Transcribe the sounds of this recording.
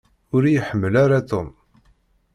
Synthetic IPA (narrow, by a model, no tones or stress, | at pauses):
ʊɾjħəmːəlaɾat̪on